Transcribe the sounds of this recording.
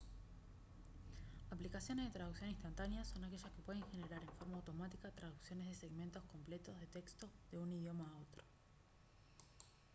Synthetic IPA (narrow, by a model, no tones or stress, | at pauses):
aplikasjo̞neðe̞t̪ɾað̞uksjonĩst̪ant̪anjaso̞nake̞ʒaskepweðeŋxe̞ne̞ɾaɾe̞ɱfo̞ɾmaːwt̪o̞mat̪ikat̪ɾað̞uksjo̞ne̞zð̞e̞seɣmẽ̞nt̪o̞hko̞mple̞t̪o̞zð̞e̞t̪e̞kst̪o̞ðe̞unið̞jo̞maːo̞t̪ɾo̥